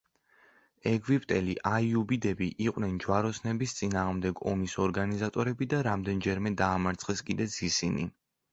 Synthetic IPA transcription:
ɛɡwipʼt̪ʼɛliʔaiubid̪ɛbiʔiqʼwnɛnd͡ʒwaɾɔsnɛbist̪sʼinaːʁmd̪ɛɡɔmisɔɾɡanizat̪ʼɔɾɛbid̪aɾamd̪ɛnd͡ʒɛɾmɛd̪aːmaɾt̪sʰχɛskʼid̪ɛt̪sʰisinḭ

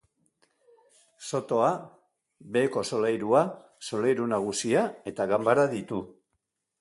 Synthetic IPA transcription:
so̞t̪o̞a | be̞ːko̞so̞lajɾua | so̞lajɾunaɣ̞usiae̞t̪aɣambaɾaðit̪u

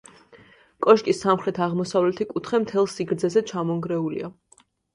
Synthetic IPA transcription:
kʼɔʃkʼisːamχɾɛt̪ʰaʁmɔsavlɛt̪ʰikʼut̪ʰχɛmt̪ʰɛlˠsiɡɾd̪zɛzɛt͡ʃʰamɔŋɡɾɛulḭa

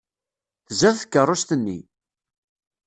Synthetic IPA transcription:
θəzæðθkːərˤːʊst̪ənːḭ

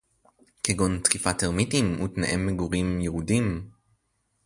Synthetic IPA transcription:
keɡont̪kifateʁmitimṵt̪na̰ʔemːeɡuʁimjeʁudim

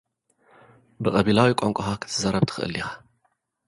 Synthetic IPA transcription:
bɨqʼɐβilawikʷʼɔŋkʷʼɐxakʰɨ̥t̪ʰɨzɐɾɐbt̪ʰɨ̥xɨ̰ʔɨ̰lːixḁ

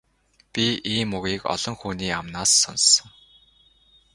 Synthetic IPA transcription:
pʲiʔiːmuɣiːkɔ̰ɮ̥ɞ̆ŋxuːniːamnaːsːɔnsə̆ŋ

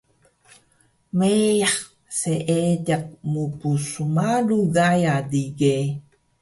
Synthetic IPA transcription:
mejaχ | seʔeɟaq̚mupusumaluɡajadiɡe

